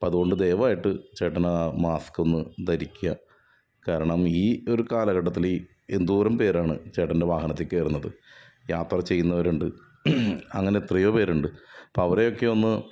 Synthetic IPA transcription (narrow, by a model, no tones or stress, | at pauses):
pːɐðuɣo̞ɳɖɨd̪ejʋɐaːjiʈːɨt͡ɕeːʈːɐnamaːsko̞nːɨt̪ɐɾikʲːujɐ | kaːɾɐɳɐmiːo̞ɾukaːlɐɣɐʈːɐt̪̬ːili | end̪uːɾɐmpe̞ːɾaːɳɨ̰t͡ɕe̞ːʈːɐnde̞ʋaːɦɐnɐt̪ːikːeːrunːɐðɨ | jaːt̪rɐt͡ɕe̞jːunːɐʋɐɾuɳɖɨ | ɐŋːɐne̞t̪rijoːpe̞ːɾuɳɖɨpoɐʋɐre̞jo̞kːe̞o̞nːɨ